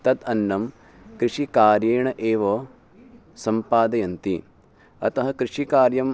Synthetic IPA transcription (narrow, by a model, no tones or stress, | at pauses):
t̪ɐt̪ɐnːɐm | kɾiʂikaːɾjeːɳɐʔeːʋɐ | sɐmpaːd̪ɐjɐnt̪i | ɐ̰t̪ɐɦɐkɾiʂikaːɾjɐm